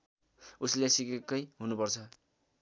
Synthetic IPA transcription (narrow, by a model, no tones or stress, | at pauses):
uslesikekːʌjɦunupʌrt͡sʰʌ